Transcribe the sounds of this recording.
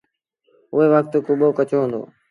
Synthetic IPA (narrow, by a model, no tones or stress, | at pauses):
ʊɦeːʋək̚t̪kʊɓoːkət͡ʃoːɦə̃nd̪o̰ː